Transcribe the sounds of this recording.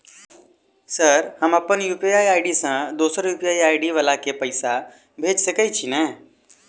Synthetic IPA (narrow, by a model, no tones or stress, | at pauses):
səɾhɐmɐpənjuːpiaːiaːɪɖisãd̪oːsəɾjuːpijaːiaːɪɖiʋəlakepɐɪsa | bʱeːd͡ʒsekɐit͡ʃʰinɛː